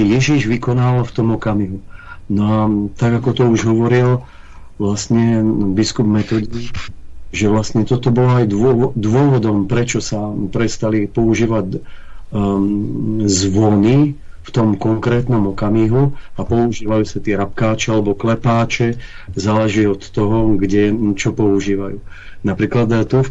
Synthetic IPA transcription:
ɛjɛʒiʒʋikɔnaːʋalft̪ɔmɔkamiɦunɔat̪aɡakɔt̪ɔuʒɦɔʋɔɾil | ʋlasɲɛbiskubmɛt̪ɔːd̪i | ʒɛʋlast̪ɲɛt̪ɔt̪ɔbɔlɔajd̪ɔd̪ʊɔʋɔd̪ɔmpɾɛt͡ʃɔsapɾɛst̪alipɔuʒiːʋaɟ | zʋɔni | ft̪ɔmkɔŋkɾɛːt̪nɔmɔkamiːɦuapɔuʒiːʋajuːsat̪iɛɾap̚kaːt͡ʃɛalɛbɔklɛpaːt͡ʃɛzaːlɛʒiːɔt̪ːɔɦɔɡɟɛt͡ʃɔpɔuʒiːʋajuː | napɾiːklad̪t̪uf

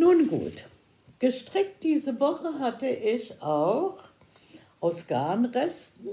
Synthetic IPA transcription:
nuːnɡṵːt | ɡ̥əʃtʁ̥ɪk̚t̚d̥iːzəvɔχəɦatəʔɪçaʊx | ʔaʊsɡ̥aɐnʁɛstn̩

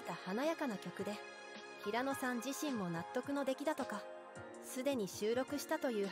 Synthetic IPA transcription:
t̪ahanajakanakʲo̞kɯ̟d̪e̞ | çiɾano̞sãɲd͡ʑiɕĩmːo̞nat̪ːo̞kɯ̟no̞d̪e̞kʲid̪at̪o̞ka | sɨd̪e̞ɲ̟iɕɨːɾo̞kɯ̟ɕi̥t̪at̪o̞jɯ̟ː

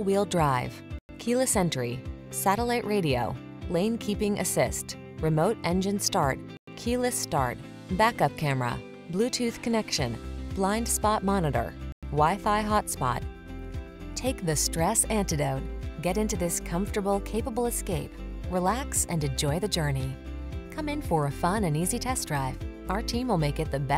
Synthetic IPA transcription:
wilˠdɹaɪv̥ | kʰilˠɨsɛ̃ntəɹi | sæɾəlaɪʔɹʔeɪɾio̰ʊ | lẽɪ̃nkʰipɪ̃ŋʔɨ̰sɪst | ɹɨmoʊɾɛ̃nd͡ʒɨ̃nstɑɹt̚ | kʰilˠɨstɑ̰ɹt̚ | b̥ækʌp̚kʰæmə˞ə̰ | blʉtʰʉθkʰɨnɛkʃɨ̃nb̥lãɪ̃nd̥spɑt̚mɑnɨɾə̰˞waɪfaɪɦɑtspɑ̰t̚ | tʰeɪk̚ðɨstɹ̥ɛsæ̃ntɨdoʊt̚ɡ̥ɛɾɪ̃ntʉðɪskʰʌ̃ɱftə˞bl̩ˠkʰeɪpəbl̩ˠəskeɪpɹilæksɨ̃nɨ̃nd͡ʒɔɪðɨd͡ʒɜ˞ni | kʰʌ̃mɨ̃nfə˞ɨfʌ̃nɨ̃nizitʰɛsdɹaɪv | aʊə˞tʰĩmwəlˠmeɪkɨt̪̚ðɨbɛ

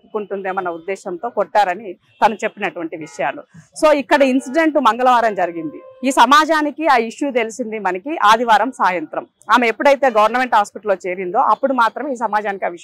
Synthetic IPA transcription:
ukuɳʈund̪e̞ːmɐnɐud̪ːɛːʃɐnt̪o̞ːkɔʈːaːɾɐni | t̪ɐnɐt͡ʃe̞pːinɐʈuʋɐɳʈiʋiʂɐjaːluso̞ːikːɐɽɐinsiɖeɳʈumɐŋɡɐlɐʋaːɾɐmd͡ʒɐɾiɡind̪iiːsɐmaːd͡ʒaːnikiaːiʂjut̪e̞lisind̪imɐnɐkiʔaːd̪iʋaːɾɐmsaːjɐnt̪ɾɐm | aːmeepːuɽɐjit̪e̞ːɡɐʋɐɾnɐme̞ɳʈhaːspiʈɐlːo̞ːt͡ʃe̞ːɾind̪o̞̰ːʔɐpːuɽumaːt̪ɾɐmiːs̬ɐmaːd͡ʒaːnikiaːʋiʃ

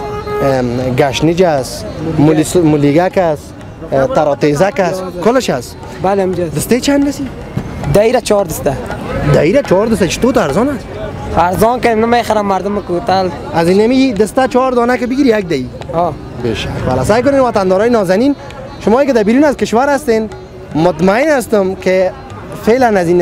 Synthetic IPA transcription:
ɡaʃnɪd͡ʒasmʊlsmʊliɡakas | t̪aɾɔt̪ezakaskʊlɪʃas | baleamd͡ʒad̪ɪst̪et͡ʃʰanɾasi | d̪aiɾat͡ʃɔɾd̪əst̪ad̪aiɾat͡ʃɔɾd̪əs̬t̪at͡ʃi̥t̪ot̪aɾzɔnas | aɾzɔnkad̪emnəmeχaɾamːaɾd̪ʊmɪkot̪al | azinamid̪əst̪at͡ʃɔɾd̪ɔnakɪbɪɡiɾijak̚d̪aiɔ | bḛʃakwa̰la̰sajk̬ʊnenwat̪and̪ɔːɾɔjnɔzanin | ʃʊmɔːjkɪd̪abiɾunazkɪʃwaɾast̪en | mʊt̪maɪnas̬t̪ʊmkɪ | felanazin

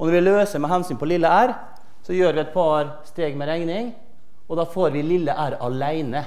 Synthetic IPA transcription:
ɔnɔɾʋɪløːsəɾmɛɦɛnsyːnpʰɔlɪlːəæːɾ | sɔjøːɾʋɪɛt̪̚pʰɑɾ | st̪eːɡmɛɾɛŋnɪŋ | ɔd̪ɑːfoːɾʋɪlɪlːəʔæːɾʔɑlæɪnə

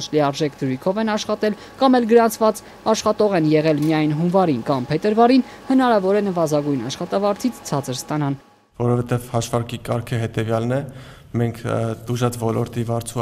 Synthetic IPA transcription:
t͡ʃʰliɑɾʒɛkʰd̪əɾujkʰɔvɛnɑʃχɑt̪ɛl | kɑmɛlɡəɾɑnt͡sʰvɑt͡s | ɑʃχɑt̪ɔʁɛnjɛʁɛlmijɑjnɦunvɑɾinkɑmpʰɛt̪əɾvɑɾin | hənɑɾɑvɔɾɛnəvɑzɑɡujnɑʃχɑt̪ɑvɑɾt͡sʰit͡sʰt͡sʰɑt͡səɾst̪ɑnɑn | vɔɾɔvɛt̪ɛvhɑʃvɑɾkikɑɾkʰəɦɛt̪ɛvjɑlnɛ | mɛŋkʰt̪uʒɑt͡svɔlɔɾt̪ivɑɾt͡sʰu

